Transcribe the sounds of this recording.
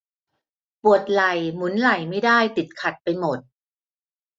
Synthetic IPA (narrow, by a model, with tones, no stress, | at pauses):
pu˨˩ət̪̚la˨˩jmu˩˦nla˨˩jma˥˩jdaː˥˩jt̪i˨˩t̪̚kʰa˨˩t̪̚pa˧jmo˨˩t̪̚